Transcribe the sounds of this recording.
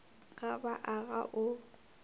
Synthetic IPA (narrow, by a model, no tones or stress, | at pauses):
ɣʼabaʔaɣa̰ʔʊ